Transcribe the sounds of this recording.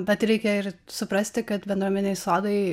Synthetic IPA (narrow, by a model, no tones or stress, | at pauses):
bʲɛt̪ɾʲɛɪkʲɛɪɾsʊpɾɐsʲt̪ʲɪkɐt̪bʲɛnd̪ɾuːmʲɛnʲɛɪsoːd̪ɐɪ